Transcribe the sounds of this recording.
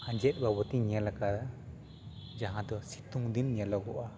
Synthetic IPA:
ãɲd͡ʒɛt̪̚ˀbawɔt̪iɲɛlakad̪a | d͡ʒaɦãd̪ɔsi̥t̪uŋd̪inɲɛlɔɡɔʔa

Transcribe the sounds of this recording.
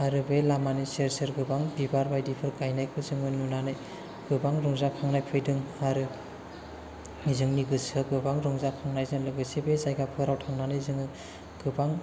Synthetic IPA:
aɾɯbelamanɯjseɾsɯɾɡɯbaŋdibaɾbajdipʰɯɾɡajnajkʰɯzɯŋɯnunanɯj | ɡ̥ɯbaŋɾɔŋzakʰaŋnajpʰɯjdɯŋaɾɯ | nizɯŋniɡɯsɯɡɯbaŋɾɔŋzakʰaŋnajzɯŋlɯɡɯsebezajɡapʰɯɾawtʰaŋnanɯjzɯŋɯ | ɡ̥ɯbaŋ

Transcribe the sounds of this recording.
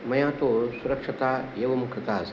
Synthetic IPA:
mɐjãːt̪oːɭsuɾɐkʂɐt̪aːjeʋɐmukʰɐt̪aːs

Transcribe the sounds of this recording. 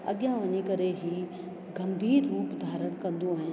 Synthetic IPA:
ɐ̰ɠjãʋɐɲikɐɾeɦiː | ɡɐmbʱiːɾːuːpd̪ʱaːɾəɽ̃kɐ̃nd̪uaːɦɪ̃n

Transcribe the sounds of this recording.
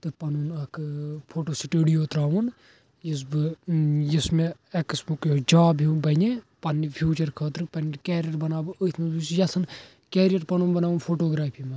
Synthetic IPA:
t̪ɨpɐnunɐkpʰoːʈoːsiʈəɽijoːt̪ɾaːʋun | jis̬bɨjismeeksbukjod͡ʒaːbʱibɐne | pɐnːipʰjuːt͡ʃɐɾkʰɐːt̪ɾɨpɐnːikeːɾijɐʈbɐnaːbɨət̪ʰmezut͡ʃjɐsʰɐn | keːɾijɐʈpɐnunbɐnaːʋunpʰoːʈoːɡɾaːpʰimɐ

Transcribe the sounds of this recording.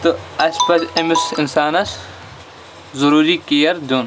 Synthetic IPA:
t̪uɐspɐt͡ʃɐmisinsaːnɐs | zuɾuːɾiːkijɐɾd̪uːn

